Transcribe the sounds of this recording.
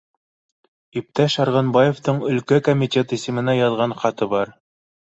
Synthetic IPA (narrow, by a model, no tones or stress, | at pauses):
ip̚t̪æʃɑɾʁɑnbɑjeft̪ɤɴɵ̆lkækomʲitʲe̞t̪isɘ̆mɘ̆næjɑðʁɑɴχɑt̪ɤbɑɾ